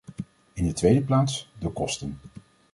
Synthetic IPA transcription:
ɪndətʋejdəplaːtsdəkɔstən

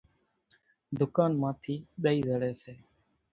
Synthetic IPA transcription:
d̪ʊkaːnmãːt̪ʰiːɗ̪əiːzəɽeːseː

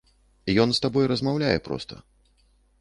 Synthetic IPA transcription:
ijɔnst̪abɔjɾɐzmawlʲajɛpɾɔ̰st̪ʰɐ̰

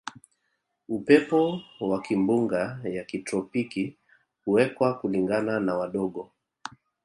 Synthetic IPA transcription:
upɛpɔwakimbuŋɡajakitɾɔpiki | huwɛkwakuliŋɡananawaɗɔɠɔ

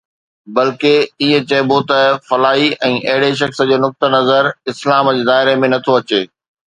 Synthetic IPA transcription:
bɐlkeiːə̃t͡ɕɐbot̪ɐfɐlaːiɛ̃ːʔɐɦɪɽeʃ̬ɐxsə̆d͡ʑeːnʊk̚t̪ənɐzəɾɪslaːmd͡ʑeːd̪aːɪɾemẽnɐt̪ʰoɐt͡ɕeː

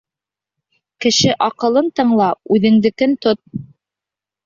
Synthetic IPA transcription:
kɘ̆ʃɘʔɑqɤ̆lˠɤnt̪ɤ̆ɴlˠɑʉðɘ̆ŋd̪ɘ̆kɘnt̪ot̪̚

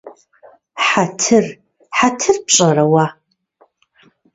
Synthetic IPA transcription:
ħatʰɨr | ħatʰɨrp̚ɕʼɐɾɐwa

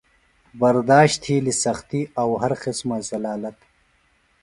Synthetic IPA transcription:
bɐɾd̪aːɕt̪ʰiːlisɐxt̪iɐwɦɐɾqɪsmazɐlaːlɐt̪

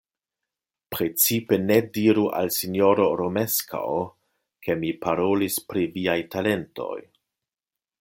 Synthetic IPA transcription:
pɾet͡sipe̞ne̞diɾuʔa̰lsinjo̞ɾo̞ɾome̞skʰa̰o | kʰe̞mipaɾo̞lispɾiviajtale̞nto̞̰j

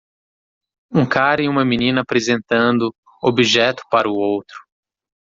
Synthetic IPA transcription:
ũkaɾɐiũmɐmĩnĩnɐpɾezẽnt̪ɐ̃nd̪ʊ | obiʒɛt̪ʊ̥paɾɐuowt̪ɾʊ̥

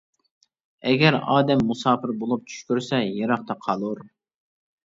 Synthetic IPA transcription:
ɛɡʲɛɾɑːd̪ɛmːusɑːpɪɾbolˠup̚t͡ʃʰy̥ʃkʲyɾsɛjeɾɑχt̪ɑqʰɑlˠuɾ

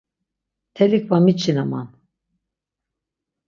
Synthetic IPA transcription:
t̪ʰɛlik̚ʰbamit͡ʃʰːinama̰n

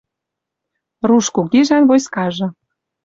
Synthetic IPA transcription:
ruʃkukeʒɑnβojskɑʒɤ̆

